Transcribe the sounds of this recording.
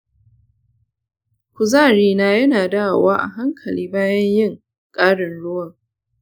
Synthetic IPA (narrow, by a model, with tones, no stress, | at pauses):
kʷʊ˨zaː˦˨ɾiː˦naː˦jɐ˦naː˨daː˦˨waː˦ʔa̰˨ɦa˦ŋkʰɐ˨liː˦baː˦jɐ˦ɲjɪ˦˨ŋ | kʼaː˦ɽɪ˨nɽʊ˦wɐ˦˨